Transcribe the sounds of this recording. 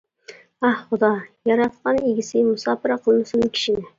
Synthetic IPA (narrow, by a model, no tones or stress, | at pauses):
æhχʊd̪ɑjɑɾɑt̪qɑneɡʲɪsɪmʊsɑːpɨɾɑqʰəlˠnɨsʊnkʲʰi̥ʃinɪ